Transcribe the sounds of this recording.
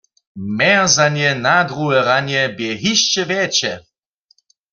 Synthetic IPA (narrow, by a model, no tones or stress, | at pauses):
mɛzanjɛnad̪ʁuɦɛʁanjɛbjɛɦiʃt͡ʃɛvjɛt͡ʃɛ